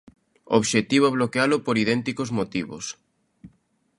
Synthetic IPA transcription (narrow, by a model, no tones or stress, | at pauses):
oβʃet̪iβ̞oβ̞lokealʊpoɾiðɛnt̪ikozmot̪iβo̰s